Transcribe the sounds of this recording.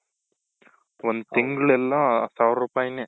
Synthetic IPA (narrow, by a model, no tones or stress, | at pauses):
ond̪t̪iŋɡɐɭɛlːãːsaːʋɾɾuːpaːjne